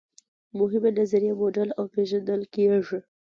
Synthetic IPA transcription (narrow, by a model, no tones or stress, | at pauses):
mʊɦɪmenazaɾijemoɖalawpeʒand̪əlkeʐi